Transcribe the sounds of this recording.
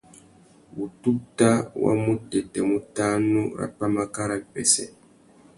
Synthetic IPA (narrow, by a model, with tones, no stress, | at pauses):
wu˨tu˦tːa˦wa̰˦mu˦tːɛ˨tɛ˨mu˦taː˦nːu˦ɾa̰˨pːa˦ma˦ka˦ɾa˦ɓɛ˨sɛ˨